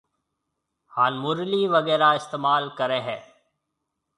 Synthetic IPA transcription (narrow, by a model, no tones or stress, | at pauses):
haːnmʊɾliːʋəɡɛːɾaːɪst̪eːmaːlkəɾẽːɦɛ̃ː